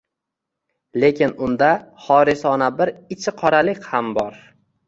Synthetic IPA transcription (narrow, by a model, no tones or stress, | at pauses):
le̞kʲʰɪnʊnd̪aχɒɾɪsɒnabɪɾɪt͡ʃʰɪqʰɒɾalɪkʲhambɒɾ